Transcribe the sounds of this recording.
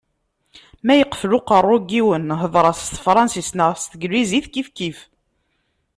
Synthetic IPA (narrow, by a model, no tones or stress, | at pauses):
mæjəqːə̥flʊqərˤːoɡiwənɦəðˤɾˤɑst̪fɾˤɑnsisnəʁst̪əɡlːiziθkifkif